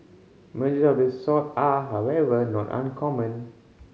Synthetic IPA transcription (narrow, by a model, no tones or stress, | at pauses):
məd͡ʒisɔfdəsɔtaɦawɛvənɔtã̰nkʰɔmə̃n